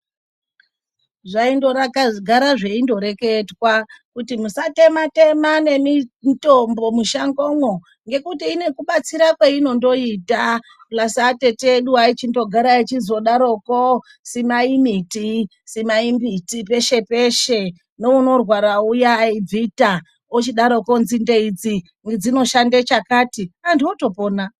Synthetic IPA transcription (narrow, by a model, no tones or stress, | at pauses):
ʐaindo̞ɾakaɡʱaɾaʐe̞indo̞ɾe̞ke̞twakutimusate̞mate̞mane̞mito̞mbo̞muʃaŋɡo̞ŋo | ŋɡe̞kutiːne̞kuɓat͡siɾakweino̞ndo̞ita | plasate̞teːɗuait͡ʃindo̞ɡʱaɾait͡ʃizo̞ɗaɾoko | simaimiti | simaimbitipe̞ʃe̞pe̞ʃe̞ | no̞uno̞rwaɾaujaib͡vita | ot͡ʃiɗaɾokonzindeid͡zi | ŋɡed͡zino̞ʃandet͡ʃakaːtiandiwoto̞po̞ːna